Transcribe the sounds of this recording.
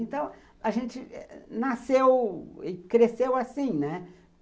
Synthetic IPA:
ẽnt̪ɐ̃w̃ | aʒẽnt͡ʃɪnasewɪkɾesewasĩnɛ

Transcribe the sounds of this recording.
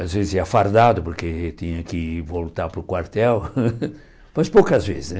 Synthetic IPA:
azvezɪzɛafaɾd̪ad̪ʊpoɾket̪ĩɲɐkɪvolt̪aɾpɾʊkwaɾt̪ɛw | mɐspowkɐzvḛzɪsɛ

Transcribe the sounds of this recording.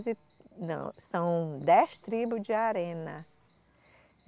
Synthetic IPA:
zɪ | nɐ̰̃w̃sɐ̃w̃d̪ɛst̪ɾibʊd͡ʒɪaɾẽnɐ

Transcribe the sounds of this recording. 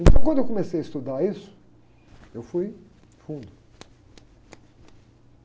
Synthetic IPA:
ẽnt̪ɐ̃w̃kwɐ̃nd̪ʊewk̬õmesejɐist̪ud̪aɾisʊ̥ | ewfuj | fũd̪ʊ

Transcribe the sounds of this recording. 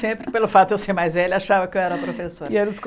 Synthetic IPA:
sẽpɾɪpelʊfat̪ʊd̪ewseɾmajzvɛlɪaʃavɐkkɪewɛɾɐpɾofesoɾiɛɾɐ̃sk

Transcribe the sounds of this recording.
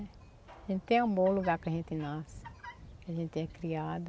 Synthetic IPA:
ʒẽnt̪ɪ̥t̪ẽũbõluɡaɾkɪɐʒẽnt̪ɪnaskɪɐʒẽnt̪ɪɛ̃kɾiad̪

